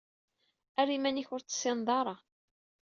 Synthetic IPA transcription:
æɾimæniçʊɾt͡sːə̥sːɪnðˤɑɾˤɑ

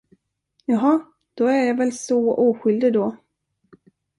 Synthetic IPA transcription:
jɑɦɑ | d̪̥ɔæɾjɑvɛlsɔuːɧʏld̪ɪd̪ɔ

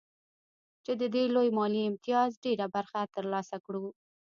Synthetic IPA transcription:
t͡ʃed̪əd̪elojmɑliɪmt̪ijɑzɖeɾabaɾxat̪əɾlɑsakɽu

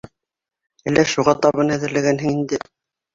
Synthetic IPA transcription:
ælːæʃuʁɑt̪ɑβɤnæðɘ̆ɾlæɡænɦɘŋind̪ɘ

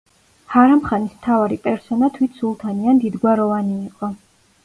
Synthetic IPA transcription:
haɾamχanismt̪ʰavaɾipʼɛɾsɔnat̪ʰwit̪ʰsulˠt̪ʰaniand̪id̪ɡwaɾɔvaniːqʼɔ

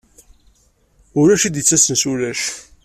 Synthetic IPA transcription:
ʊɾæʃid̪jət͡sːæsənsuɾæʃ

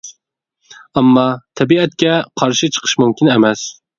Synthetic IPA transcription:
ɑmːɑt̪ʰɛbiɛt̪̚kʲɛqʰɑɾʃit͡ʃʰə̥qʰə̥ʃmumkʲʰinɛmɛs

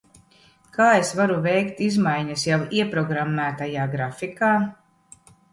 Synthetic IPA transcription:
kaːesvaɾuvɛjkt̪izmajɲɐsjawiɛpɾɔɡɾamːæːt̪ajaːɡɾafikaː

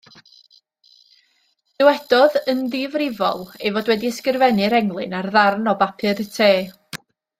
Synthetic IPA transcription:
ð̥ɪwɛd̥ɔðənðɪvrɪvɔ̰lˠejvodwɛdiɛskɨrvɛnɨɾɛŋlˠɨ̰narðarnɔbapʰɨdətʰeː

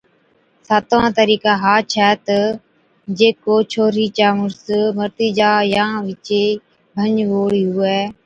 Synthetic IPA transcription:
saːt̪ʋãːt̪əɾiːkaːɦaːt͡ʃʰɛːt̪ə | d͡ʒeːkoːt͡ʃʰoːɾiːt͡ʃaːmʊɾsməɾt̪iːd͡ʒaːjãːʋɪt͡ʃeː | bʱəɲʋoːɽiːɦʊɛː

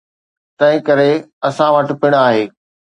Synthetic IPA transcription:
t̪ɐ̃ɦɪ̃kɐɾeɐsãʋəʈpɪɽ̃aːɦeː

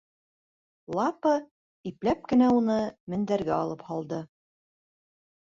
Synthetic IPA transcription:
lˠɑpə | iplæp̚kɘ̆næunɤmɘ̆nd̪æɾɡæɑlˠɤphɑlˠd̪ɤ

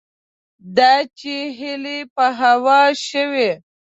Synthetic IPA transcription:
d̪ɑt͡ʃeɦɪlepəɦawɑʃəwe

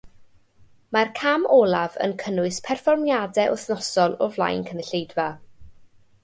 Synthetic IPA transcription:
markʰamʔɔlˠavə̰nkʰənʊɨspʰɛrfɔrmjadɛʔʊθnɔsɔlˠɔvlˠa̰jnkʰənəɬejdva

